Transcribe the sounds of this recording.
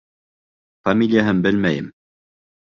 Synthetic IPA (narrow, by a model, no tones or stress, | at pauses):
fɐmʲilʲɪjaɦɤmbɘlmæjɘm